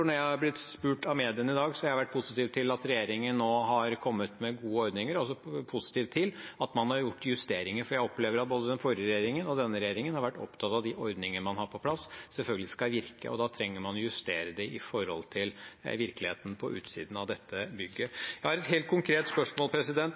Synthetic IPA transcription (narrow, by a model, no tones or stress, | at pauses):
fɔɳɔɾjæɪhɑɾblɪt̪spʉːʈɑʋmeːd̪ɪənɪd̪ɑːɡsɔhɑɪhɑʋæʈ̚ːpʰʊsɪt̪iːʋt̪ʰɪlɑt̪ɾɛjeːɾɪŋənːoːɦɑɾkʰɔmːət̪mɛɡuːəɔɾd̪nɪŋəɾɔsɔpʰʊsɪ̥t̪iːʋt̪ʰːɪlɑt̪mɑnhɑɾjʊʈːjʉst̪eːɾɪŋəɾfɔɾjæɪɔpleːʋəɾɑt̪̚boːd̪əd̪ɛnfɔɾɪəɾɛjeːɾɪŋənɔd̪ɛnːəɾɛjeːɾɪŋənhɑɾʋæʈːɔ̰pt̪ʰɑt̪ɑʋd̪ɪʔɔɾd̪nɪŋəəmɑnhɑɾpʰɔpʰlɑssɛlfœlɡəlɪskɑʋɪɾkʰə̰ʔɔ̰d̪ɑt̪ʰɾɛŋːəɾmɑnɔjʉst̪eːɾəd̪ɛɪfɔɾhɔ̰lt̪ʰɪlʋɪɾkəlɪhḛːt̪n̩pʰɔʔʉ̰ːt̪sḭːd̪n̩ɑʋd̪ɛt̪ʰːəbʏɡːəjæɪhɑɾɛt̪ɦeːlt̪̚kʰʊŋkʰɾeːt̪spœʂmoːlpʰɾɛsɪd̪ɛnt̪